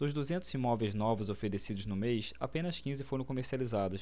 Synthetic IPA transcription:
d̪ʊzd̪uzẽnt̪ʊzĩmɔvejznɔvʊzofeɾesid̪ʊznʊmejsa̰pẽnɐskĩzɪfoɾɐ̃w̃komeɾsializad̪ʊs

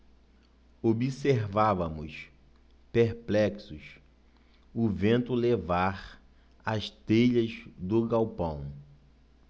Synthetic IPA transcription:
obiseɾvavɐmʊs | peɾplɛksʊs | ʊvẽnt̪ʊlevaɾ | ɐʃt̪ejʎɐzd̪ʊɡawpɐ̃w̃

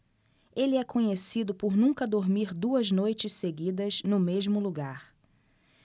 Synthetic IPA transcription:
elɪɛkõɲesid̪ʊpʊɾnũŋkɐd̪oɾmiɾd̪uɐznojt͡ʃɪsseɡid̪ɐznʊmezmʊluɡaɾ

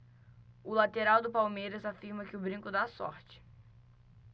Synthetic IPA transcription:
ʊlat̪eɾawd̪ʊpawmejɾɐzafiɾmɐkɪʊbɾĩŋkʊd̪asɔ̰ɾt͡ʃɪ̥

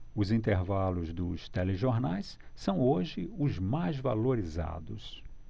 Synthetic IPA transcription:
ʊzĩnt̪eɾvalʊzd̪ʊst̪ɛleʒoɾnajssɐ̃w̃oʒɪʊzmajzva̰loɾiza̰d̪ʊs

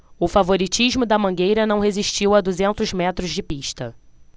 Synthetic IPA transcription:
ʊfavoɾit͡ʃiʒmʊd̪ɐmɐ̃ɡejɾɐnɐ̃w̃ɦeziʃt͡ʃiwad̪uzẽnt̪ʊzmɛt̪ɾʊzd͡ʒɪpiʃt̪ɐ

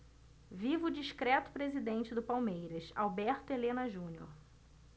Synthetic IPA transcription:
vivʊd͡ʒiʃkɾɛt̪ʊ̥pɾezid̪ẽnt͡ʃɪd̪ʊpawmejɾɐsa̰wbɛɾt̪ʊelẽnɐʒũɲjo̰ɾ

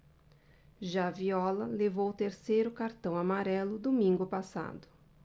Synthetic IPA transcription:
ʒaviɔlɐlevowt̪eɾsejɾʊkaɾt̪ɐ̃w̃amaɾɛlʊd̪omĩŋɡʊpasa̰d̪ʊ

